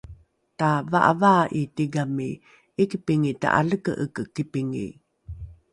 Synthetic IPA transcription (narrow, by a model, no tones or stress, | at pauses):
tavaʔa̰vaʔitiɡami | ikipiŋita̰ʔa̰ɮəkə̰ʔəkəkːipiŋḭ